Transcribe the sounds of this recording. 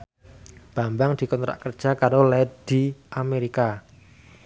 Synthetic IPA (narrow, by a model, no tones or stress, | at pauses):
b̥ambaŋd̪̥i̤kɔnt̪ɾa̰ʔkərd̥ʒ̥akaɾolɛd̪̥i̤ʔameɾika